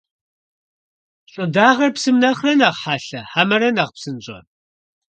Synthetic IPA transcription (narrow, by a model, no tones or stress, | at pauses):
ɕʼʊdaːʁɐrpsɨmnɐχrɐnaːʁħaːɬɐħamɐɾɐnaːʁpsɨnɕʼɐ̰